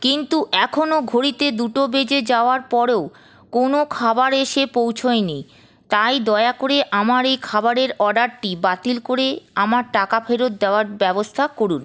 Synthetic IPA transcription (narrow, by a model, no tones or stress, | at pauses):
kint̪uʔɛkʰonoɡʱoɾit̪ed̪uʈobed͡ʑed͡ʑaoaɾpɔɾeo | konokʰabaɾeʃepowt͡ɕʰoeni | t̪ajd̪ɔeakoɾeʔamaɾejkʰabaɾeɾɔɖaɾʈibat̪ilkoɾeamaɾʈakafʰeɾot̪̚d̪eoaɾbɛbost̪ʰakoɾun